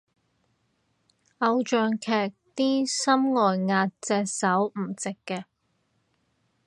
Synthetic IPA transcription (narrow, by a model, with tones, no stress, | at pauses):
ʔɐ˨˧wt͡ʃœː˨˧ŋkʰɛː˨˩k̚t̪iː˥sɐ˥mŋɔː˨jŋaː˧t̚t͡sɛː˧sɐ˨˥wm̩˨˩t͡sɪ˨kːɛː˧